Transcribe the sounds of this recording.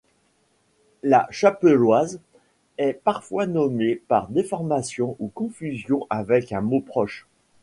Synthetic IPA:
la̰ʃapəlwaz | ɛpaʁfwanɔmepaʁd̪efɔʁmasjɔ̃ʔukɔ̃fyzjɔ̃ʔavɛkɛ̃mopχɔʃ

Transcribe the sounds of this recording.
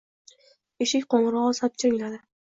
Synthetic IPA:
eʃɪkʲqoɴɾɒʁsap̚t͡ʃʰaɪŋʲlad̪ɪ

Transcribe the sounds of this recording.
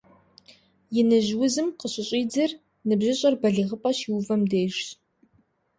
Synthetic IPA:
jɪnɨʑwʊzɨmqəɕʼɪɕʼiːd͡zɐr | nɨbʑɪɕʼɐrbɐɮiʁəpʼɐɕiwvɐmdeːʒ

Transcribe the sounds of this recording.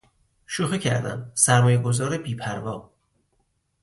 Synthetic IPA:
ʃoxicʰæ̰ɾd̪æ̰msæɾmɒːjeɡo̞zɒːɾebiːpʰæɾvɒː

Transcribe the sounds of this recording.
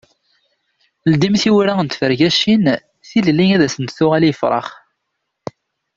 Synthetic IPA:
əld̪imθiwɾaənt̪fəɾʝæʃin | θillːiŋæðæsənt̪θʊʁæljəfɾˤɑ̰χ

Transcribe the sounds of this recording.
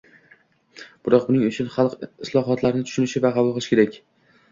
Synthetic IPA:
b̥ʊɾɒq̚bʊnɪŋʊt͡ʃʰʊnχɑlˠqɪslˠɒɦɒt̪ʰlaɾɪnɪt̪ʰʊʃʊnɪʃɪvaqʰɑbʊlˠqɨlˠɪʃɪ̥kʲʰe̞ɾakʲ

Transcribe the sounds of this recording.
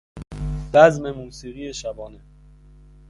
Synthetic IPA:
dæzmemuːsiːɣiːeʃæbɒːne

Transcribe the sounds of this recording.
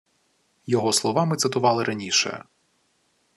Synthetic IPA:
jɔɦɔslˠɔʋɑmɪt̪sɪt̪ʊʋɑlˠɪɾʔɐnʲiʃɛ̰

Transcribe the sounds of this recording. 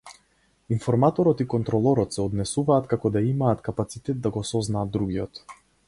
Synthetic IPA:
infɔɾmat̪ɔɾɔt̪ikɔnt̪ɾɔlˠɔɾɔt̪sɛɔd̪nɛsuvaːt̪kakɔd̪aimaːt̪kapat̪sit̪ɛt̪̚d̪aɡɔsɔznaːd̪ːɾuɡiɔt̪

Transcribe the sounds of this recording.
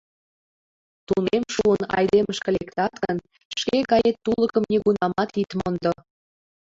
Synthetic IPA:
t̪unemʃuənɑ̰jd̪eməʃkelekt̪ɑt̪ɣən | ʃkeɣɑjet̪ːuləkəmneɣunɑmɑt̪it̪mond̪o

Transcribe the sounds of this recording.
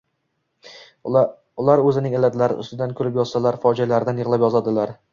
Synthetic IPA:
ʊlˠaɾɵzɪnɪŋalat̪laɾɪ̰ʔʊ̰st̪ɪd̪ankʲʰʊlɪpjɒz̥salaɾfɒd͡ʒalaɾɪd̪anjɨʁlˠapjɒzad̪ɪlaɾ

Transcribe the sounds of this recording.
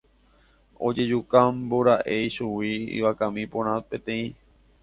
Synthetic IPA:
o̞̰d͡ʒe̞d͡ʒukamboɾaʔe̞jʃuwiḭʋakãmĩpõɾ̃ãt̪pẽ̞t̪ẽ̞ĩ

